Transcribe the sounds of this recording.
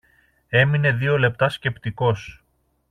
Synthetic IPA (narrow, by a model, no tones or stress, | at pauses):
e̞mine̞ðio̞le̞p̚t̪ɐsce̞pt̪iko̞s